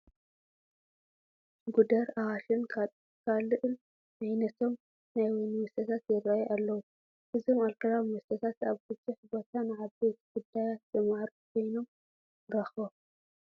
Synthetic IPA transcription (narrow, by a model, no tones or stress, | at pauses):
ɡud̪ɐɾawaʃɨnʰ | kʰalɨʔɨl | najnɐt̪ʰo̞m | najwɐnwʊst̪ʰɐt̪ʰat̪jɛɾajʔalːɐwu | ʔɨzo̞malkɐɾawwɔst̪ʰɐt̪ʰat̪aβɡɨt͡sʼːɨħbo̞t̪ʰanɨʕaβbet̪ʰɡ̥ud̪ːajat̪̚zʼɨmaɾkʰo̞jno̞m | ɾɐxbom